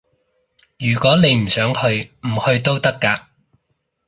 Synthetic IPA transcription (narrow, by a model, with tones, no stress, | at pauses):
jyː˨˩kʷɔː˨˥ne˨˧jm̩˨˩sœː˨˥ŋhɵ˧ɥm̩˨˩hɵ˧ɥt̪o˥wt̪ɐ˥kːaː˧